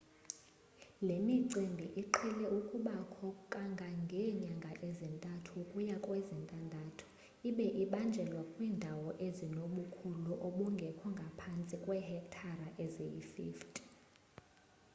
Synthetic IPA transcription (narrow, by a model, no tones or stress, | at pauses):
lemiǀimbʱiʔiǃʰɛlɛʔukʼuɓakʰɔkʼaŋɡʱaŋɡʱɛɲaŋɡʱaʔezintʼatʰukʼujakʼwɛzintʼandʱatʰu̥ | iɓɛʔiɓand͡ʒʱɛlwakʼwiːndʱawɔʔezinoɓukʰuluʔɔɓuŋɡʱɛkʰɔŋɡʱapʰant͡sʼikʼwɛhɛk̚tʰaraʔɛzejḭfḭːftʼ